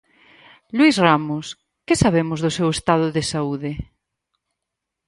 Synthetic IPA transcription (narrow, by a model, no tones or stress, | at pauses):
lwizramʊs | kɪsaβemʊzðʊsewest̪aðʊðɪsauðɪ